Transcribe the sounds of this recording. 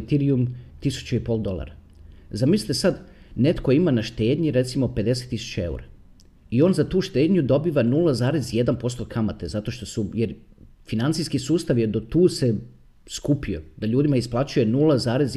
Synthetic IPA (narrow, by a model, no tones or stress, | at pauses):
t̪iɾiumt̪isu̥t͡ɕeipo̞ːlˠd̪o̞lˠa̰ɾa | zamislit̪esad̪ne̞t̪ko̞imanaʃt̪e̞ːd̪ɲiɾe̞t̪simo̞pe̞d̪e̞set̪ːisu̥t͡ɕae̞̰ṵɾa̰ | io̞ːnzat̪uːʃt̪eːd̪ɲud̪o̞biʋanulˠazaːɾezje̞d̪anpo̞st̪o̞kʰamat̪ezat̪o̞ʃt̪o̞sujeɾ | finant̪siskisuːst̪aʋje̞d̪o̞t̪uːse | skupio̞d̪aʎuːd̪imaisplˠat͡ɕuje̞nuːlˠazaːɾe̞z